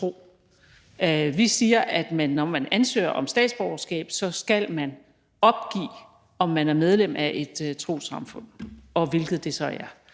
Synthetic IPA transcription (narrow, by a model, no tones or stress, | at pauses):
t͡sʰʁo̝̰ː | ʋisiːɐʔæd̥mænːɒmænænsø̰ːɐʔɒ̽msd̥ɛ̰ːd̥sb̥ɒʊɐsɡ̥ɛ̰ːb̥sɒ̽sɡ̥ælmæn | ɒ̽b̥̚ɡ̥ḭː | ɒ̽mːænæɐmeð̞ˠlem̰ʔæʔe̝d̥t͡sʰʁo̝̰ːsɑ̈mfɔ̽n̰ɒ̽ʋe̝lɡ̥ð̞̩ˠd̥e̝sɒ̽æɐ